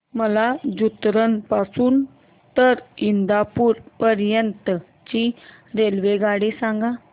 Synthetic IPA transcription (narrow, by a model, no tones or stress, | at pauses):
məlad͡ʑut̪ɾənpasuːn | t̪əɾind̪apuːɾpəɾjənt̪ə | t͡ɕi | ɾelʋeɡaɽisãŋɡa